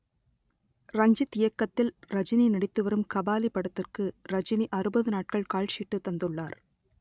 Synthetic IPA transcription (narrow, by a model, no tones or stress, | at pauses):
ɾɐɲd͡ʒɯt̪ːɪjɐkːɐt̪ːɪlɾɐd͡ʒɪninɪɽɪt̪ːɯʋɐɾɯmkɐbaːlipːɐɽɐt̪ːɪrkɯɾɐd͡ʒɪniʔɐɾɯbɐðɯnaːʈ̚kɐɭkaːɭʂiːʈːɯt̪ːɐnd̪ɯɭːaːɾ